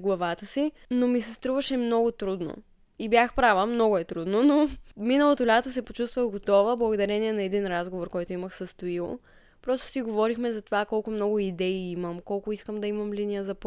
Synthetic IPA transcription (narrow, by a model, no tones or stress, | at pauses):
ɡlˠɐvat̪əsi | nomisɛst̪ɾuvəʃɛmnɔɡʊt̪ɾud̪no̰ | ibʲjaxpɾavəmnɔɡʊɛt̪ɾud̪nonominəlˠot̪olʲat̪osɛpot͡ʃust̪vəɡot̪ɔvəblˠɐɡod̪ɐɾɛniɛnɐɛd̪inɾazɡovoɾkɔjt̪oiməxsəst̪oilˠo | pɾɔst̪o̥siɡovɔɾixmɛzɐt̪ovakɔlˠkʊmnɔɡʊid̪ɛiiməmkɔlˠkʊiskəmd̪ɐimɐmlinijəzɐp